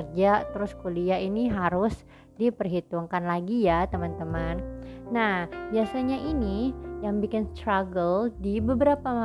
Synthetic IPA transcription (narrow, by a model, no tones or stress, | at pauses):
rd͡ʒat̪əɾʊskuliainiɦaɾʊs | dipərɦit̪uŋkanlaɡijat̪əmant̪əmanːahbiasaɲaʔinijaŋbikɪnst̪ɾaɡəldibəbəɾapama